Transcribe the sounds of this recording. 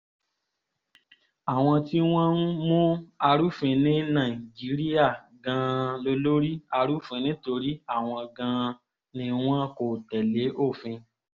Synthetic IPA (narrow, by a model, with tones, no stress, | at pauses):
a˨w̃ɔ̃˧ti˦w̃ɔ̃˦n˦mũ˦a˧ɾu˦fĩ˧nĩ˦nã˦˨i˨d͡ʒi˨˦ɾi˦ja˦˨ | ɡã˧lo˧lo˦ɾi˦a˧ɾu˦fĩ˧nĩ˦to˧ɾi˦a˦˨w̃ɔ̃˧ɡã˧ | nĩ˧w̃ɔ̃˦ko˨tɛ˨le˨˦ʔo˦˨fĩ˧